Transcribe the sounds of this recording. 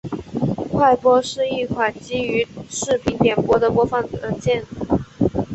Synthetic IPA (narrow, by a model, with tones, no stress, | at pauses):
kʰwa˥˩ɪpwɔ˥ʂɻ̩˥˧i˥˩kʰwa˨˩nt͡ɕi˥y˧˥ʂɻ̩˥˩pʰi˧˥nt̪jɛ˨˩npwɔ˥d̪ə˨pwɔ˥fɑ˧˥ŋ˨˩ə˧˥t͡ɕjɛ˥˧n̩˨˩˦